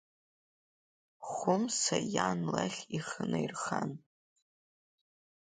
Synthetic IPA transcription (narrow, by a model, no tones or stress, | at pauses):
χʷʊmsajanlaχʲiχənejrχan